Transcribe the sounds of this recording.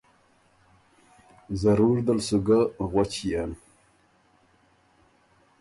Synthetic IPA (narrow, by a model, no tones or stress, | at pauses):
zaɾuɾd̪alsuɡaɣwat͡ɕian